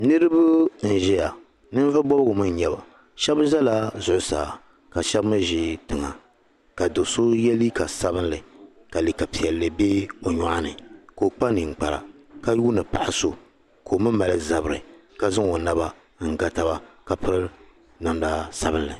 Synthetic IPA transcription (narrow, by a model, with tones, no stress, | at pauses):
nɨ˦ɾɨ˦bʊ˦n̩˨ʒɛ˦ja˨ | nɨ˦n˦vɨ˦bɔ˦bɨ˦ɡʊ˨mɨ˦ɲ˦ɲɛ˦ba˨ | ʃɛ˦bʒɛ˦la˦zʊ˨ʔʊ˦sa̰ː˨ | ka˨ʃɛ˦bmɨ˦ʒɪ˦tɨ˨ŋa̰˨ | ka˨do˨so˦jɛ˦li˦ka˨sa˦bɨ˦nlɨ˨ | ka˨li˨ka˨pi˨ɛ˨lːɨ˨be˦o˨ɲɔ˨ʔa˦nɨ˨ko˨k͡pa˦nɨ˨ŋ͡m̩˨k͡pa˨ɾa̰˨ | ka˦juː˦nɨ˨pa̰˨ʔɪ˨so˨ | ko˨mɨ˦ma˨lɨ˦za˨bɾɨ˨ka˨zɨ˦ŋo˨na˨ba˦ | ŋ̩˨ɡa˨ta˦ba˨ka˨pɨ˦ɾɨ˦ | na˨n˨da˦sa˦bɨ˦nlɨ˨